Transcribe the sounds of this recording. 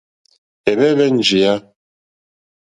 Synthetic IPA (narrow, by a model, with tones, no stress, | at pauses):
ɛ˨βɛ˦βɛ˦n̩˨d͡ʒi˨ja˦